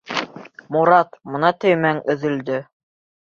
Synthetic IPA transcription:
muɾɑt̪mŏnɑt̪ɵ̆jmæŋɵ̆ðɵ̆ld̪ɵ

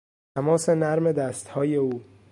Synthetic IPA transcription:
t̪ʰæmɒːse̞næɾme̞d̪æst̪hɒːje̞uː

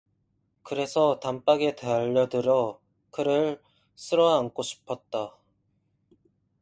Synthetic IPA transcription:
kɯɾe̞sʰʌtamp͈aɡeteaʎːʌdɯɾjʌ | kɯɾɯɭ | s͈ʰɯɾʌaŋk͈ʰoɕʰi̥pʰʌt̚t͈a

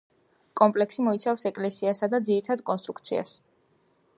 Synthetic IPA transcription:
kʼɔmpʼlɛksimɔit̪sʰafsɛkʼlɛsiasad̪ad̪ziɾit̪ʰad̪kʼɔnst̪ʼɾukʰt̪sʰia̰s

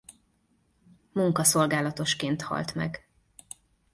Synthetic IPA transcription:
muŋkɒso̞lɡaːlɒt̪o̞ʃkeːnt̪hɒ̰lt̪mɛ̰ɡ

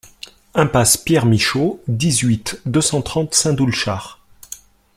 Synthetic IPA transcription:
ɛ̃paspjɛʁmiʃod̪izɥit̪d̪øsɑ̃t̪χɑ̃t̪sɛ̃d̪ulʃaːʁ

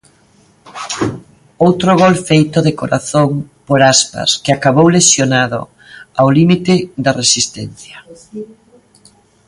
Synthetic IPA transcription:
owt̪ɾoɣ̞ɔlfejt̪oðekoɾaθoŋpoɾaspa̰skɪakaβowlesjonaðo̰ | awlimit̪ɪðɐresist̪ɛnθjɐ

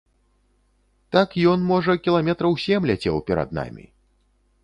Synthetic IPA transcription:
t̪akjɔnmɔʐɐkʲilˠamʲɛt̪ɾɐwsʲɛmlʲat͡sʲɛwpʲɛɾa̰d̪̚na̰mʲḭ

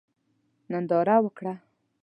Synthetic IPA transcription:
nand̪ɑɾawəkɽa

